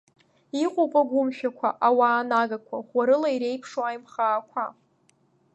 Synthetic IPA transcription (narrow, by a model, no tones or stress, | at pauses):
iqʷʼopʼaɡʷʊmʃᶣakʷʰa̰ʔawaːnaɡakʷʰaχʷaɾɨlaiɾe̞jpʰʂoajmχaːkʷʰa